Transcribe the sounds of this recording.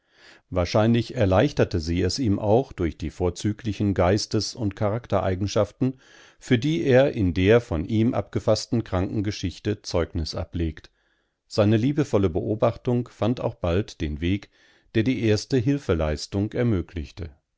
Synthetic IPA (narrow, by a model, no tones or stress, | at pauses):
vaːɐʃaɪnlɪçɛɐlaɪçtɐtəziːɛsiːmʔa̰ʊxd̥ʊɐçd̥iːfoːɐt͡syːklɪçn̩ɡaɪstəsʊntkʰaʁaktɐʔa̰ɪɡŋ̩ʃaftn̩ | fyːɐdiːʔeːɐʔɪndeːɐfɔnʔiːmʔa̰pɡ̥əfastn̩kʁ̥aŋkŋ̩ɡəʃɪçtət͡sɔʏknɪsʔa̰pleːkt | z̥aɪnəliːbəfɔləbəʔoːbaχtʊŋkfanta̰ʊxb̥altd̥eːnveːk | d̥eːɐdiːʔeːɐstəɦɪlfəlaɪstʊŋkɛɐmøːkʰlɪçtə